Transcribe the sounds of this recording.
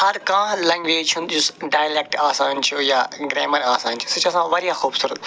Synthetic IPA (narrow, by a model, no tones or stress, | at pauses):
ɐɾkãːlɐ̃ːŋɡʋeːd͡ʒt͡ʃʰũnd͡ʒusɖaːjlek̚ʈaːsaːnt͡ʃʰujaːɡɾeːməɾaːsaːnt͡ʃʰu̥sɐt͡ʃɐsãːʋɐɾjãxuːbsuːɾət̪